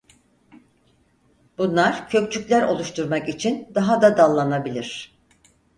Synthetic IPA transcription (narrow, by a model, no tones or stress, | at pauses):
bunlˠaɾ̥cʰø̞k̚t͡ʃʰycʲlʲæɾo̞lˠuʃt̪ʰuɾmakit͡ʃʰind̪aɦad̪ad̪alˠːanabilʲiɾ̥